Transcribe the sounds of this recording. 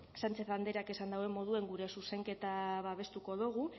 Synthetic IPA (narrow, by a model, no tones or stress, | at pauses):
sant͡ʃe̞θand̪e̞ɾake̞sand̪awe̞mo̞ð̞ue̞ŋɡuɾe̞suse̞ŋke̞t̪aβaβe̞st̪uko̞ðuɣ̞u